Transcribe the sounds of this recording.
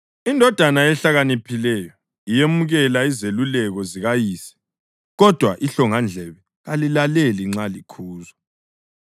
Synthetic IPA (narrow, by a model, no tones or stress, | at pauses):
indʱɔd̥ʱanajɛɬaɣanipʰilɛjɔ | ijemuɣɛlaizelulɛɣɔziɣajiːsi̥ | ɣɔd̥ʱwaʔiɬɔŋand͡ɮʱɛβɛ | ɣalilaleliŋ͡ǁalikʰuːza